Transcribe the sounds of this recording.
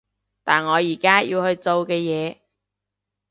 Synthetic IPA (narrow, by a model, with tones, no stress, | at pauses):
t̪aː˨˩nŋɔː˨˧jiː˨˩kaː˥jiː˧whɵ˧ɥt͡so˨˧wkɛː˧jɛː˨˧